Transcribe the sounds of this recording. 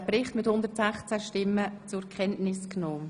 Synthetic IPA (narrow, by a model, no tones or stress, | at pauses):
pɾɪχtmɪthʊndəɾtsɛχt͡sæʃtɪmːət͡sʊɾkʰɛntnɪsknoː